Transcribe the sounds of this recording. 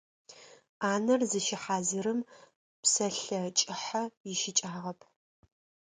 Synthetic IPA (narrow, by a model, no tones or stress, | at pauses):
aːnɐrzɨʃɪħaːziɾɨm | psɐɬɐt͡ʃʼɪħɐjɪʃɪt͡ʃʼaːʁɐpʰ